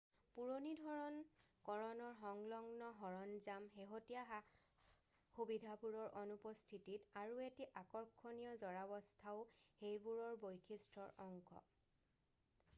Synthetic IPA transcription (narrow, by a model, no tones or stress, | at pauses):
puɹonidʱɔɹɔnkɔɹɔnɔɹɦɔŋlɔŋnɔɦɔɹɔnzamɦeɦotijaɦa | xubidʱapuɹɔɹʔɔnupɔstʰititaɹuetiʔakɔɹkʰːonijɔzɔɹabɔstʰaʊhejbuɹɔɹbojkʰistɹɔɹʔɔŋkɔ̰